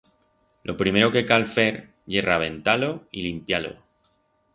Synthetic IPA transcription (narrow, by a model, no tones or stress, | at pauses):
lʔo̞pɾime̞ɾo̞ke̞kalfe̞ɾ | ʝe̞raβ̞e̞nt̪alo̞ilimpjalo̞̰